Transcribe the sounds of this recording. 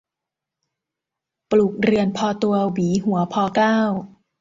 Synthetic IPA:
pluː˨˩k̚ɾɯ˧ənpʰɔː˧t̪u˧ɐwiː˩˦ɦu˩˦ɐpʰɔː˧klaː˥˩w

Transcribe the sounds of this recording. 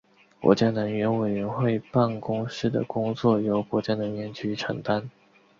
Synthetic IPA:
kwɔ̰˧˥t͡ɕja˥˩nə˧˥ŋɥɛ˧˥nwe˨˩ɪɥɛ˧˥nxwe˥˧ɪpa˥˩nkʊ˥ŋʂɻ̩˥˩d̪ə̰˩kʊ˥ŋt͡swɔ˥˩jo˧˥ʊkwɔ˧˥t͡ɕja˥˩nə˧˥ŋɥɛ˧˥nt͡ɕy˥ʈ͡ʂʰɤ̰˧˥ŋt̪a˥n

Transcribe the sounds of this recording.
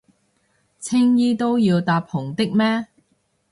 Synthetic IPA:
t͡sʰɪ˥ŋjiː˥t̪o˥wjiː˧wt̪aː˨˧p̚hʊ˨˩ŋt̪ɪ˥k̚mɛː˥

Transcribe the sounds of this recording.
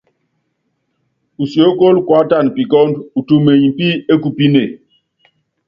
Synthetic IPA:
u˨sjo˨˦ko˦lkwa˨˦ta˦˨npi˨kɔ˦ndu˨tu˦˨me˨ji˨m˨pi˦e˦ku˨pi˦ne˨

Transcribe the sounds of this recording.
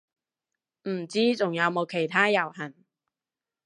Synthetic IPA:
m̩˨˩t͡siː˥t͡sʊ˨˩ŋjɐ˨˧wmo˨˧wkʰe˨˩jt̪ʰaː˥jɐ˨˩whɐ˨˩n

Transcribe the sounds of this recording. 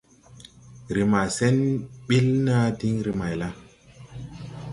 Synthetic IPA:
ɾi˨ma˨sɛ˦nɓe˦lna˦di˦ŋɾi˨ma˨jla˦

